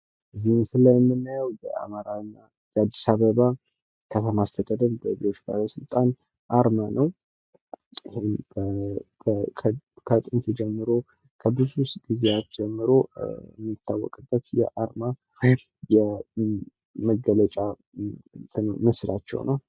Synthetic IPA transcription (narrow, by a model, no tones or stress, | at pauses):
ʔɨzːihmsɨlːajɛmːɨnːajəwbə̰a̰maɾanːa | jad̪ːisaβəβa | kʰət̪ʰəmast̪ʰəd̪ad̪ənbəbiot͡ʃba̰ləsɨlt̪ʼan | ʔaɾmanəw | ihebə | kʰət̪ʼɨnt̪ʰɨd͡ʒɛmːɨɾo | kʰəbɨzusɡ̥izeat̪d͡ʒɛmːɨɾoə̰mːit̪ʰːawːɔ̰kʼɨbːət̪jɛ̰ʔaɾma | jɛ | məɡələt͡ʃʼa | t̪ɨmɨsla̰t͡ʃːɛ̰wnə̰w